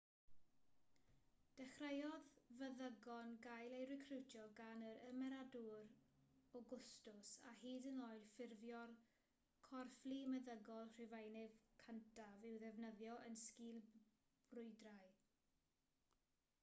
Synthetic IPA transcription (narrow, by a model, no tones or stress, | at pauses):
d̥ɛχrejɔðvəðəɡɔnɡajlˠejɾɪkʰrɪwtʰjɔɡanəɾəmɛɾaduɾɔɡʊstʊsa̰hiːdənoːɨd̥fɪrvjɔl | kʰɔrflimɛðəɡɔlˠr̥ɪvajnɪvkʰəntʰavɪwðɛvnəðjɔʔənskiːlˠ | b̥rʊɨdraj